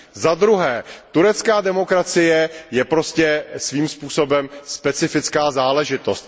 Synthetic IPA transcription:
zad̪ɾuɦɛːt̪uɾɛt͡skaːdɛmo̞kɾat͡sɪjɛjɛpɾo̞scɛsviːmspuːso̞bɛmspɛt͡sɪfɪt͡skaːzaːlɛʒɪt̪o̞st̪

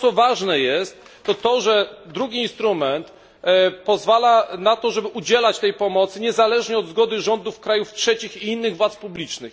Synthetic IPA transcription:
sɔvaʐnɛjɛst̪ːɔt̪ɔʐɛd̪ɾuɡʲiːnst̪ɾumɛnt̪ | pɔzvalanat̪ɔʐɛbɘʔud͡ʑɛlat͡ɕt̪ɛjpɔmɔt̪sɘɲɛzalɛʐɲɛɔd̪zɡɔd̪ɘʐɔnd̪ufkɾajuftʂɛt͡ɕixiinːɘɣvwat̪spublʲit͡ʂnɘx

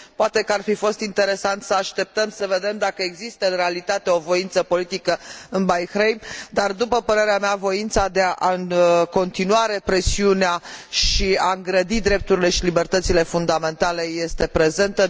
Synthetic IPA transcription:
poat̪e̞kəarfifo̞st̪int̪e̞ɾe̞sant̪səaʃt̪e̞p̚t̪əmsəve̞d̪e̞md̪akəeɡzist̪əɨnrealit̪at̪e̞ovo̞int̪səpo̞lit̪ikəɨnbajxɾejmd̪ard̪upəpəɾe̞ɾeameavo̞int̪sad̪eaʔɨnko̞nt̪inuaɾe̞pɾe̞siuneaʃiaɨŋɡɾəd̪id̪ɾe̞p̚t̪uɾile̞ʃilibe̞rt̪ət̪sile̞fund̪ame̞nt̪ale̞je̞st̪e̞pɾe̞ze̞nt̪ə

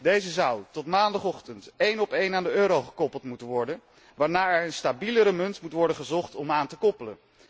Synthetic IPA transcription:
dejzəzɑwtɔtmaːndɑχɔχtəntejnɔpejnaːndəøːɾowχə̥kɔpəlˠtmutənʋɔɹdən | ʋaːɹnaːɛɹənstabiləɾəmɵntmutʋɔɹdənχəzɔχtɔmaːntəkɔpələ̰n

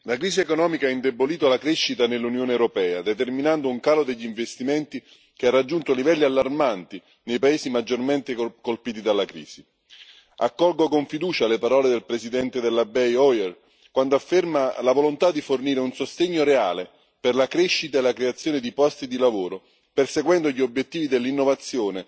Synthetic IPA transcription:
lakɾiːsiekonɔːmikaaind̪eboliːt̪oalakɾeʃːit̪anelːunjoːnewɾopɛːad̪et̪erminand̪ouŋkaːlod̪eʎːiɱvest̪iment̪i | k̟earːad͡ʒːunt̪olivɛlːialːarmant̪i | nejpaeːsimad͡ʒːorment̪ekolpiːt̪̬id̪alːakɾḭːsi | a̰kːɔlɡokoɱfid̪uːt͡ʃalepaɾɔːled̪elpɾesid̪ɛnt̪ed̪elːabɛjɔjɛr | kwand̪oafermalavolont̪ad̪iforniːɾeunsost̪eɲːoɾea̰ːle | perlakɾeʃːit̪aelakɾeat̪sjoːned̪ipɔst̪id̪ilavoːɾo | perseɡwɛnd̪oʎːiobːjet̪ːiːvid̪elːinːovat̪sːjoːne

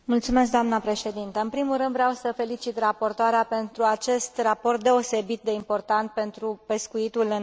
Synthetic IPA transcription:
mult̪sume̞s̬kd̪oamnəpɾe̞ʃe̞d̪int̪əɨnpɾimulɾɨnd̪vɾeawsəfe̞lit͡ʃit̪rapo̞rt̪oaɾeape̞nt̪ɾuat͡ʃe̞st̪raport̪̚d̪e̞o̞se̞bit̪̚d̪e̞impo̞rt̪ant̪̚pe̞nt̪ɾupe̞skuit̪ulɨ

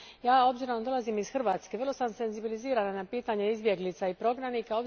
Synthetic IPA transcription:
jaːo̞bziɾond̪o̞lˠazimisxr̩ʋaːt̪ske̞ʋər̩lˠo̞samse̞nzibiliziːɾananapiːt̪aɲeizbje̞ɡlit̪saipɾo̞ɡɾaniːkao̞b

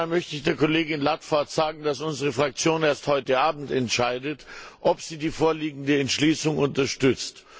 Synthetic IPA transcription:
mœçtəɪçd̥eːɐkɔleːɡɪnlatfaɐtz̥aːɡŋ̩dasʔʊnzəʁ̞əfʁ̥ak̚t͡sjoːneːɐsthɔʏtəaːbm̩tɛntʃaɪdətʔɔpz̥iːdiːfoːɐliːɡŋ̩dəɛntʃliːsʊŋʔʊntɐʃtʏt͡st

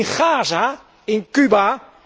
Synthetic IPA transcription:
nχaːza | ɪnkyba

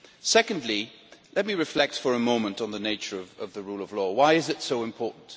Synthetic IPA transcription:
sɛkə̃ndˡli | lɛt̚miɹɨflɛk̚tfə˞ɨmõʊ̃mə̃ntn̩ðəneɪt͡ʃə˞ʌvʌvðɨɹulˠəvlɔwaɪɨzɨtsoʊɨ̃mpʰɔɹʔn̩t

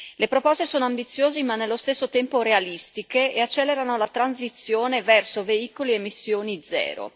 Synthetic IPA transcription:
lepɾopɔst̪esoːnoambit̪sːjoːzimanːelːost̪esːot̪ɛmpoɾealist̪ikeeat͡ʃːɛːlːeɾanolat̪ɾanzit̪sjoːnevɛrsoveiːkoliemːisːjoːnid̪zɛ̰ːɾo̰

